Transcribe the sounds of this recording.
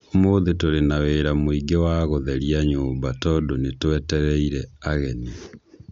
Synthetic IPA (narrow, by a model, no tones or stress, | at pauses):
moðetoɾenaweːɾamoiɡewaɣoðɛɾiaɲoːmbatɔdonetwɛtɛɾɛiɾɛaɣɛni